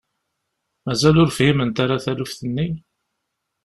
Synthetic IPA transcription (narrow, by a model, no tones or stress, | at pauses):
mæzælʊɾfhimənt̪aɾaθælufθənːi